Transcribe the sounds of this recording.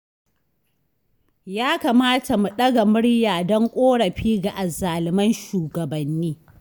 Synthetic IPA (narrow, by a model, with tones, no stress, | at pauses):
jaː˦ka˨maː˦tʰa˨mu˨ɗɐ˦ɡa˨mʊ˦ɽjaː˨dɔ˦ŋkʷʼoː˦ɽɐ˨ɸiː˦ɡa˨ʔa˨zaː˨lɪ˨mɐ˦nʃuː˨ɡɐ˨bɐ˨nːiː˦